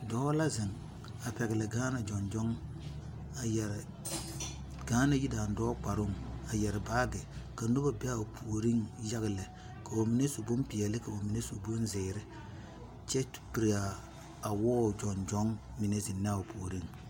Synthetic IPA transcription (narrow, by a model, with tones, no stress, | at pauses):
dɔː˦la˦zɪ˨ŋ | a˨pɛ˨ɡɪ˨lɛ˨ɡaː˦na˨d͡ʒɔ˨nd͡ʒɔ˦ŋ | a˨jɛ˨ɾɪ˨ | ɡ̥aː˦na˦ji˦da˨n˨dɔː˦k͡pa˨ɾʊ˦˨ŋa˨jɛ˨ɾɪ˨baː˦ɡɪ˨ka˨no˦ba˦bɪ˦a˦˨pʰu˨ɾi˦ŋja˦ɡɪ˨lɛ˨ | ka˨bo˨mi˨˦ne˦so˨bo˦m˦pɪ˨ɛ˨lɪ˦ka˨bo˨mi˨ne˦so˨bo˦n˦zɪ˨ɾɪ˦ | t͡ʃɛ˦tpi˨ɾi˨aː˨ | wɔː˦˨d͡ʒɔ˨nd͡ʒɔ˦ŋ | mɪ˨ne˦zɪ˨nːɛ˦a˦˨o˨pʰu˨o˨ɾi˦ŋ